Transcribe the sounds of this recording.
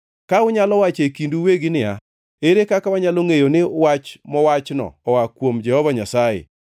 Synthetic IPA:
kaʊɲalɔwat͡ʃekinduweɡɪnɪa̰ | eɾekakawaɲaloŋejonɪwat͡ʃmɔwat͡ʃnɔ̰ːwakwomd͡ʒɛhɔvaɲasajḛ

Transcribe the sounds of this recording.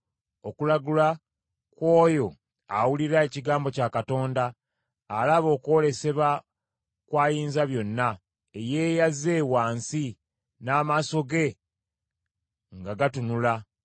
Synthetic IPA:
o̞kulaɡula | kwo̞ːjo̞ | a̰wuliɾae̞ciɡaːmbo̞cakato̞ːndaː | laβo̞ːko̞ːle̞se̞βa | kwaːjiːnzaβjo̞nːa | eje̞ːjaze̞waːnsi | naːmaːso̞ɡe̞ | ŋɡaɡatunula

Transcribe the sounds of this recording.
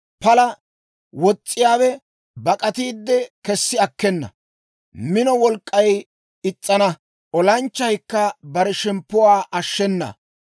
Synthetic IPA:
pɐlɐ | wɔt͡sʼːɪjaːwɛ | bɐkʼɐt̪iːd̪ːɛkɛsːɪɐkːɛnːɐ̰ | mɪnɔwɔlkʼːɐj | ɪt͡sʼːɐnɐ | ʔɔlɐnt͡ʃːɐjkːɐbɐɾɛʃɛmpːʊwaːʔɐʃːɛnːɐ̰

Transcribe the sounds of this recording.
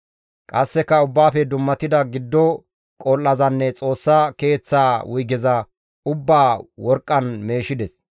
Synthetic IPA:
kʼɐsːɛkːɐʊbːaːfɛd̪ʊmːɐt̪ɪd̪ɐɡɪd̪ːɔ | kʼolːɐzɐnːɛt͡sʼo̞ːsːake̞ːt͡sːaːwʔʊjɡɛzɐ | ʊbːaːwɔɾkʼːɐnme̞ːʃɪd̪ɛs

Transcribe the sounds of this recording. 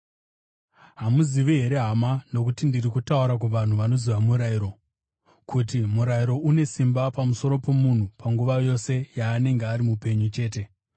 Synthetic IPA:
ɦamuziʋiɦe̞ɾe̞ɦamano̞kutindirikutauɾak̬uʋan̤uʋano̞ziʋamuɾaiɾo̞ | kʰutimuɾaiɾo̞une̞simbapamuso̞ɾo̞po̞mun̤upaŋɡuʋajo̞se̞jaːne̞ŋɡeaɾimupe̞ɲut͡ʃe̞ːte̞

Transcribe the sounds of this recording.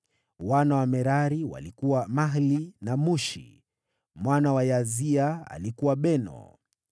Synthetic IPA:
wanawamɛɾaɾiwa̰likuwamaɦlinamuʃḭ | mwanawajaziaa̰likuwaɓɛnɔ̰

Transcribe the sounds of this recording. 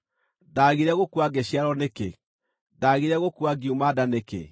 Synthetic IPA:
daɣiɾɛɣokuaɡeɕiaɾɔnekḛ | daːɣiɾɛɣokuaɡiumadanekḛ

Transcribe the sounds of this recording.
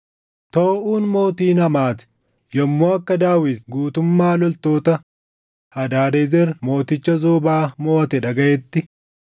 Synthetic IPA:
t̪oːʔuːnmo̞ːt̪iːnɐmaːt̪ɪ̥ | jɐmːoːɐkːɐd̪aːwɪd̪ɡuːt̪ʊmːaːlɔlt̪o̞ːt̪ɐ | hɐd̪aːɾezɛɾmo̞ːt̪ɪt͡ʃːɐzoːbaːmoːt̪ɛᶑɐɡɐʔɛt̪ːɪ

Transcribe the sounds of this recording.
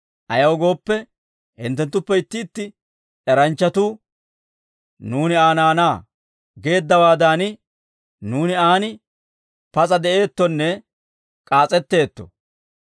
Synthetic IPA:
ʔɐjɐwɔɡo̞ːpːɛ | hɪ̰nt̪ːɛnt̪ːʊpːɛɪt̪ːɪːt̪ːɪ | ɛɾɐnt͡ʃːɐt̪uː | nuːnɪaːnaːnaː | ɡe̞ːd̪ːɐwaːd̪aːnɪ | nuːnɪaːnɪ | pɐt͡sʼɐd̪ɛʔe̞ːt̪ːɔnːɛ | kʼaːt͡sʼɛt̪ːe̞ːt̪ːɔ̥̰

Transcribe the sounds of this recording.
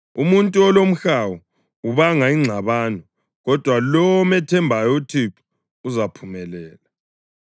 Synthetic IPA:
umuntʼuɔlom̩xawɔ | uβaŋaiŋ͡ǀʱaβaːnɔ | ɣɔd̥ʱwalɔwɔmɛtʰɛmbʱajɔutʰiǀu̥ | uzapʰumɛlɛːla

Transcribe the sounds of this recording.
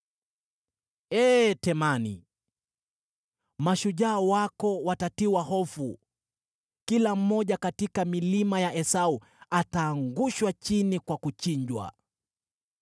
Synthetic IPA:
ɛːtɛmanḭ | maʃuʄaːwakɔwatatiwahɔfu | kilam̩ːɔʄakatikamilimajaʔɛsau | ataːŋɡuʃwat͡ʃinikwakut͡ʃiɲd͡ʒwa̰

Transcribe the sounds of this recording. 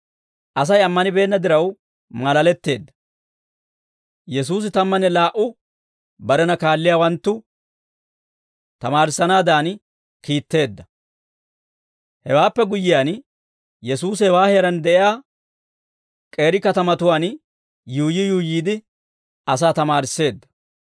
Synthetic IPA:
ʔɐs̬ɐjɐmːɐnɪbe̞ːnːɐd̪ɪɾɐw | mɐlɐlɛt̪ːe̞ːd̪ːɐ̥ | jɛsuːs̬ɪt̪ɐmːɐnɛlaːʔʊ | bɐɾɛnɐkaːlːɪjaːwɐnt̪ːʊ | t̪ɐmaːɾɪsːɐnaːd̪aːn | kiːt̪ːe̞ːd̪ːɐ | hɛwaːpːɛɡʊjːɪjaːn | jɛsuːs̬hɛwaːhɛɾɐnd̪ɛʔɪjaː | kʼe̞ːɾɪkɐt̪ɐmɐt̪ʊwaːn | juːjɪjuːjiːd̪ɪ | ɐsaːt̪ɐmaːɾɪsːe̞ːd̪ːɐ̥

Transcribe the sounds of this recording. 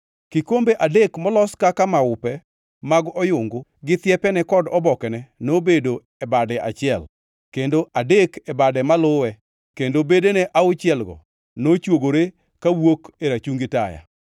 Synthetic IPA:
kɪkombeʔadekmɔlɔskakamaʊpɛ | maɡɔjʊŋɡʊɡɪt̪jɛpɛnɛkɔdɔbɔkɛnɛnobedo | ɛbadɛʔa̰t͡ʃɪɛl | kendoʔadekɛbadɛmalʊwɛ | kendobedenɛʔaʊt͡ʃɪɛlɡɔ̰ | not͡ʃwoɡoɾe | kawokeɾat͡ʃuŋɡɪtaja̰

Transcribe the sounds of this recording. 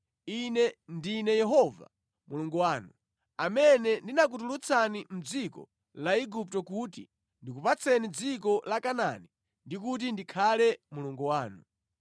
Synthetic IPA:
inɛndinɛjɛɦɔva̰ | muluŋɡuwaːnu | amɛnɛndinak̬ut̬ulut͡sʰanim̩d͡zikɔ̰ | laiɡup̚tɔkutḭ | ndikupat͡sʰɛnid͡zikɔlakana̰ni | ndik̬ut̬indikʰalɛmuluŋɡuwaːnu

